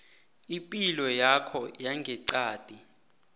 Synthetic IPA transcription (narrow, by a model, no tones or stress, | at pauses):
ipʼilɔjakʰɔjaŋɡʱɛǀaːd̥ʼʱi